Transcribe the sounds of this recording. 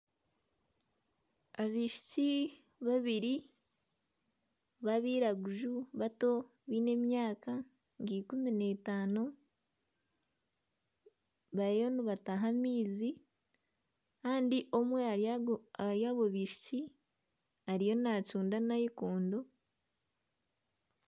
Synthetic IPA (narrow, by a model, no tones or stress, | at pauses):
aβiːʃu̥ci | βaβiɾi | βaβiːɾaɡuʒuβato̞ | βiːne̞mjaːka | ŋɡikumine̞taːno | βaɾejo̞niβataɦamiːzi | kaːndiʔo̞mwe | aɾjaːβo̞βiːʃu̥ci | aɾijo̞nacuːndanajikoːndo